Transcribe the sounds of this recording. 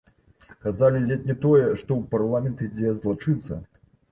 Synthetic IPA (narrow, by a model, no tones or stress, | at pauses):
kazalʲilʲɛt̪nʲɛt̪ɔjɛʂt̪ɔwparlˠamʲɛnt̪id͡zʲɛzlˠat͡ʂɨt̪sːɐ̰